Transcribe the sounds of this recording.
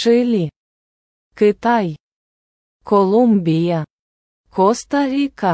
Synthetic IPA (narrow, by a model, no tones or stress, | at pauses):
ʃɨlʲi | kɨt̪aj | kolumbija | kost̪aɾʲika